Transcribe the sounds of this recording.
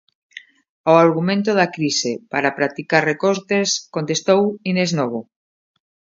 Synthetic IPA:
oaɾɣ̞umẽnt̪̬oðakɾisepaɾapɾat̪ikaɾrekoɾt̪eskont̪est̪owineznoβ̞o

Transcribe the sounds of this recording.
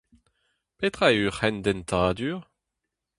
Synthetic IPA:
pet̪χayʁɛnd̪ɛnt̪ʰaːd̪yːʁ

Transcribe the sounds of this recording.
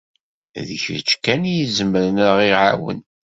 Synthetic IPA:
ðçəɾt͡ʃːkænjizəməɾənɾʁiʕa̰wə̰n

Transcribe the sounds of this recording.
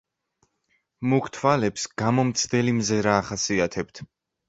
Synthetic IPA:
mukʰt̪ʰvalɛpsɡ̥amɔmt̪sʰd̪ɛlimzɛɾaːχasiat̪ʰɛp̚t̪ʰ

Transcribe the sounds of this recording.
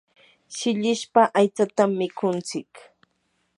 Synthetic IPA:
ʃɪʎɪʃpaʔajt͡sat̪amːɪkʊnt͡sɪk

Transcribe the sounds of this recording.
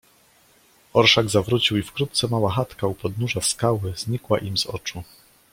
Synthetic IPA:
ɔɾʂaɡzavɾut͡ɕiwifkɾut̪̚t̪sɛmawaxat̪kaupɔd̪nuʐafskawɘz̥ɲikwa̰ʔimzɔ̰t͡ʂu

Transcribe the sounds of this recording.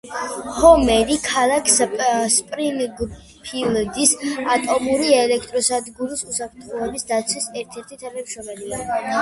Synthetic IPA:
hɔmɛɾikʰalˠakʰsspʼɾinɡ | pʰild̪isat̪ʼɔmuɾiɛlɛkʰt̪ʼɾɔsad̪ɡulisusapʰɾt̪ʰχɔɛbisd̪at̪sʰwisɛɾt̪ʰɛɾt̪ʰit̪ʰanamʃɾɔmɛlia

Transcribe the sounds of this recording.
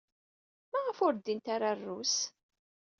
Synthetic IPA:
maʁəfʊɾd̪int̪aɾarːus

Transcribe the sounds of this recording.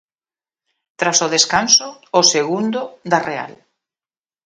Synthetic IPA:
t̪ɾasoðeskansʊːseɣund̪ʊd̪area̰l

